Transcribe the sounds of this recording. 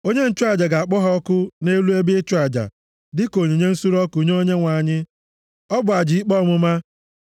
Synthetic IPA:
o˦ɲe˦n̩˦t͡ʃʊ˦a˨d͡ʒa˨ɡa˨a˨k͡pɔ˦ɦɔ˦ɔ˦kʊ˦ne˦lu˦e˦bi˦ɪ˦t͡ʃu˦a˨d͡ʒa̰˨ | dɪ˦ko˨ɲe˨ɲe˦n̩˦su˦ɾɔ˦ku˨ɲ˦o˦ɲe˦ŋʷa˨ɲɪ˦ | ɔ˦bʊ˨a˨d͡ʒi˨i˦k͡pɔ˦˨mʊ˦ma˦

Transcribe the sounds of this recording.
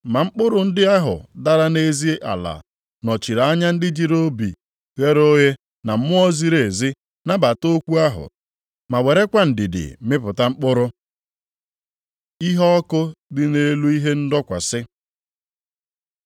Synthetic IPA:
ma˨ŋ͡m̩˦k͡pʊ˦ɾʊ˨n̩˦dɪ˦a˦ɦʊ̰˨da˦ɾa˦ne˦zi˦e˦ʔa̰˨la̰˨ | nɔ˨t͡ʃi˨ɾa˨a˦ɲa˦n̩˦dɪ˦d͡ʒi˦ɾo˦bḭ˨ | ɣe˦ɾo˦ɦe˦ | na˨m̩˦mʊ˦ɔ˦zi˦ɾe˨zi˦ | na˦ba˨to˦kʷu˦a˦ɦʊ̰˨ | ma˨we˨ɾe˦kʷa˦n̩˨dɪ˨dɪ̰˨mɪ˦pʊ˨ta˦ŋ͡m̩˦k͡pʊ˦ɾʊ˦ | i˦ɦɔ˦kʊ˦dɪ˦ne˦lu˦i˦ɦe˦n̩˦dɔ˦kʷa̰˨sɪ˦

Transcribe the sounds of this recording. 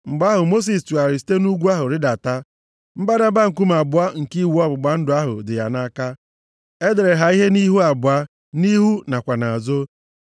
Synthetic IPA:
ŋ͡m̩˨ɡ͡ba˦ɦʊ˨mo˦s̬i˨stu˨a˨ɾɪ˨si̥˦te˦nu˦ɡʷu˦a˦ɦʊ˨ɾɪ˦da˨ta˦ | m̩˦ba˦da˦ba˦ŋ̩˨ku˦m˨a˨bʊ˨a˦ŋ̩˨ki˦˨wu˨˦ɔ˦bʊ˨ɡ͡ba˨n̩˦dʊ˨a˦ɦʊ̰˨dɪ˨ja̰˨na˦ka˦ | e˦de˨ɾe˨ɦa˨i˦ɦe˦ni˦ɦu˦a˨bʊ˨a˦ | ni˦ɦu˦na˨kʷa˨na˨a˨zo˦

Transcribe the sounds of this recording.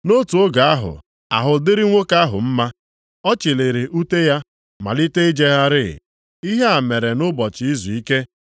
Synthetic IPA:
no˦tu˨o˦ɡa˨a˦ɦʊ̰˨ | a̰˨ɦʊ˨dɪ˦ɾɪ˦ŋʷo˦ka˦ɦʊ̰˨m̩˦ma˦ | ɔ˦t͡ʃi˨le˨ɾe˨ʔu˦te˦ja˦ | ma̰˨li˦te˦i˦d͡ʒe˦ɣa˦ɾɪ˦˨ | i˦ɦe˦a˨me˨ɾe˨nʊ˦bɔ˨t͡ʃɪ˨i˦zu˨i˦ke˦

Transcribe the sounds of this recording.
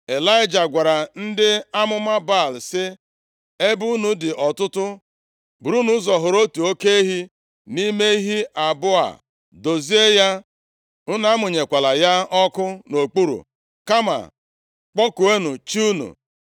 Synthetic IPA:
e˨la˦ɪ˦d͡ʒa˨ɡʷa˨ɾa˨n̩˦dɪ˦a˦mʊ˦ma˦ba˦˨lsɪ˦ | e˦bu˦nu˨dɪ˨ʔɔ˨tʊ˦tʊ˦ | bu˨ɾu˦nu˦zɔ˨ɦʊ˨ɾo˦tu˨o˦ke˦e˦ɦi˦ | ni˦me˦i˦ɦi˦ʔa˨bʊ˦a̰˨ | do˨zi˦e˦ja˦ | ʊ˦na˦a˦mʊ˨ɲe˨kʷa˨la˨ja˦ɔ˦kʊ˦no˨k͡pu˦ɾṵ˨ | ka˦ma̰˨ | k͡pɔ˦ku˨e˦nu˨t͡ʃi˦u˦nṵ˨

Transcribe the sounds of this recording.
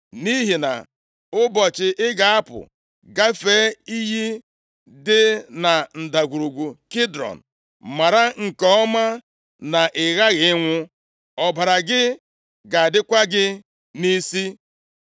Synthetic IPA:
ni˦ɦi˨na̰˨ | ʊ˦bɔ˨t͡ʃɪ˨ʔɪ˦ɡa˨a˦pʊ̰˨ | ɡa˦fe˨˦i˦ɦi˦ | dɪ˦na˨n̩˨da˨ɡʷu˨ɾu˨ɡʷu˨kɪ˦dɾɔ̰˨n̩˨ | ma˨ɾa˦ŋ̩˨kɔ˦ɔ˦ma˦ | na˨ʔɪ˨ɣa˦ɣɪ˨ɪ˦ŋʷʊ˦ | ɔ˨ba˨ɾa˨ɡɪ˦ | ɡa˨a˨dɪ˦kʷa˦ɡɪ˦ | ni˦si˦

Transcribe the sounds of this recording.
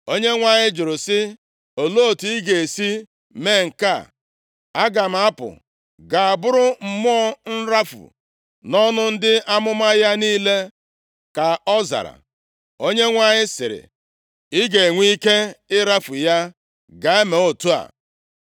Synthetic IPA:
o˦ɲe˦ŋʷa˨ɲɪ˦d͡ʒʊ˨ɾʊ˨sɪ˦ | o˨lo˦˨tu˨i˦ɡe˨e˨si˦ | meː˦˨ŋ̩˨ka˦˨ | a˦ɡa˨m̩˨a˦pʊ̰˨ | ɡa˨a˨bʊ˦ɾʊ˦m̩˦mɔ˦ɔ˦n̩˦ɾa˦fʊ̰˨ | nɔ˦nʊ˦n̩˦dɪ˦ʔa˦mʊ˦ma˦ja˦niː˦le˦ | ka˨ɔ˦za̰˨ɾa̰˨ | o˦ɲe˦ŋʷa˨ɲɪ˦sɪ̰˨ɾɪ̰˨ | ɪ˦ɡe˨ŋʷi˦ke˦ɪ˦ɾa˦fʊ˨ja˦ | ɡa˨e˦me˨o˨tu˦a̰˨

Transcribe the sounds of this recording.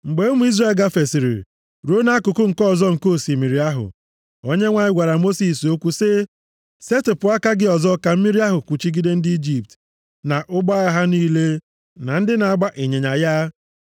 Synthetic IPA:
ŋ͡m̩˨ɡ͡be˨˦o˦mu˦i˦zra˦˨lɡa˦fe˨si˨ɾḭ˨ | ɾo˦na˦a˦kʊ˨kʊ˦ŋ̩˨kɔ˦˨zɔ˦ŋ̩˨ko˦˨si˨mi˨ɾi˨a˦ɦʊ̰˨ | o˦ɲe˦ŋʷa˨ɲɪ˦ɡʷa˨ɾa˨mo˦si˨so˦kʷu˦se˦ | se˦tɪ˨pʊ˨˦a˦ka˦ɡɪ˦ɔ˨zɔ˦ka˨m̩˦mi˦ɾi˦a˦ɦʊ˨kʷu˨t͡ʃi˦ɡi˦de˦n̩˦dɪ˦i˦d͡ʒi˦p̚t | na˨ʔʊ˦ɡ͡ba˦a˦ɦa˦niː˦le˦ | na˨n̩˦dɪ˦na˨a˦ɡ͡ba˦ʔe˨ɲe˨ɲa˨ja˦

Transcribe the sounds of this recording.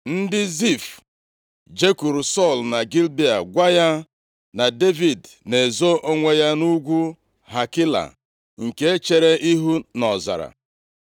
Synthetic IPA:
n̩˦dɪ˦zi˦˨f | d͡ʒe˦ku˨ɾu˨sɔ˦˨lna˨ɡi˦lbi˨a̰˨ɡʷa˦ja˦ | na˨de˦vi˨d | ne˨zo˦ʔo˦ŋʷe˦ja˦nu˦ɡʷu˦ | ɦa˨ki˦la̰˨ | ŋ̩˨ke˦e˦t͡ʃe˦ɾe˦i˦ɦu˦nɔ˨za̰˨ɾa̰˨

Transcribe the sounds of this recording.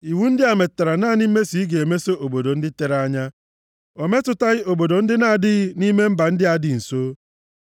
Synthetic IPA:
i˨wu˦n̩˦dɪ˦a˨me˨ta˨ɾa˨na˦˨ni˦m̩˦me˦si˨˦ɡe˨e˨me˦so˦ʔo˨bo˨do˨n̩˦dɪ˦te˨ɾa˦ɲa˦ | o˨me˦tʊ˨ta˦ɣɪ˦o˨bo˨do˨n̩˦dɪ˦na˦˨dɪ˦ɣni˦me˦m̩˦ba˨n̩˦dɪ˦a˨dɪ˨n̩˨so˦

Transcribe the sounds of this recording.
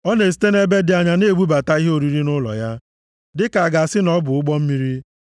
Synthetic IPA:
ɔ˦ne˨s̬i̥˦te˦ne˦be˦dɪ˨a˨ɲa˦ne˦˨ɡ͡bu˦ba˨ta˦i˦ɦe˦o˨ɾi˦ɾi˦nʊ˦lɔ̰˨ja˦ | dɪ˦ka˨a˨ɡa˨a˨sɪ˦nɔ˦bʊ˨ʊ˦ɡ͡bɔ˦m̩˦mi˦ɾi˦

